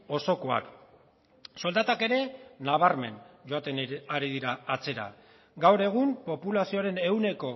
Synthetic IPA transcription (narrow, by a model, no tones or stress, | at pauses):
o̞so̞ko̞a̰k | so̞ld̪at̪ake̞ɾe̞naβ̞aɾme̞̰nd͡ʒo̞at̪eːɾiðiɾaːt͡se̞ɾa̰ | ɡawɾe̞ɣ̞umpo̞pulasio̞aɾe̞ne̞wne̞ko̞